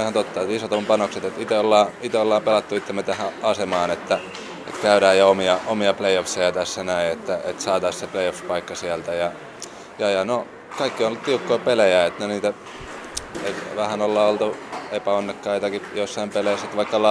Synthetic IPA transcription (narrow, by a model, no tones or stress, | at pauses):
ihɑnt̪ot̪ːɑet̪isot̪ompɑnokset̪et̪it̪eolːɑːit̪eolːɑːmpelɑt̪ːuit̪ːemet̪æhæɑsemɑːnet̪ːæ | et̪kæyɾæːjjɑomiɑomiɑpleiofsejɑt̪æsːænæiet̪ːæet̪sɑːt̪ɑissepleiofspɑikːɑsiælt̪æjɑ | jɑjɑno | kɑikːionlːut̪t̪iukːoipelejæet̪neniːt̪æ | eiʋæhænolːɑːolt̪uepæonːekːɑit̪ɑkijosːɑimpeleiset̪ʋɑikːɑlɑ